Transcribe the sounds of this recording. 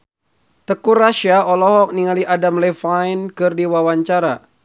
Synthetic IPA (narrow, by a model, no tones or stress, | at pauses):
t̪əkuraʃiaɔlɔɦɔk̚niŋaliʔadamlɛfajnkɨrdiwawaɲt͡ʃaɾa